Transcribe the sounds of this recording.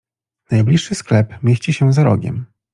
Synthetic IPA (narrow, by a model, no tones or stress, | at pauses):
najblʲiʂːɘsklɛpmʲjeɕt͡ɕiɕɛzaɾɔ̰ɡʲɛ̰m